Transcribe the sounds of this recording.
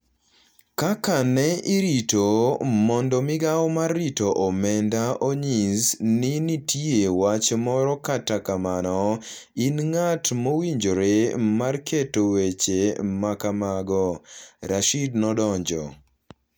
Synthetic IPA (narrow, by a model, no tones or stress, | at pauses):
kakanɛiɾitomɔndɔmɪɡawmarːitoʔɔmɛndaoɲizninitʰiewat͡ʃmɔɾɔkatakamanɔinŋatmowiɲd͡ʒoɾemarkʰetowet͡ʃemakamaɡɔɾaʃidnɔdɔɲd͡ʒɔ̰